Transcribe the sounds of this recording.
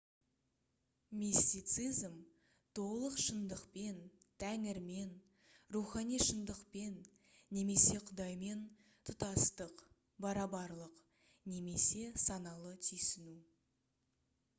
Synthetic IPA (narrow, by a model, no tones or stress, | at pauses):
mist̪ijt̪sɨjzm | t̪ʰo̞ʁlˠəqʃənd̪əqpe̞nt̪ʰæŋɪɾme̞n | ruχɑnijʃənd̪əqpe̞nː | e̞me̞se̞qʰʊd̪ɑjme̞n | t̪ʰʊt̪ɑst̪əq | bɑɾɑbɑɾlˠəq | ne̞me̞se̞sɑnɑlˠət̪ʰʏjsɪnu